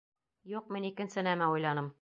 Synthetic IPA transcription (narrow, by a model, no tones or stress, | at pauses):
juqminikɘ̆nsɘnæmæujlˠɑnɤm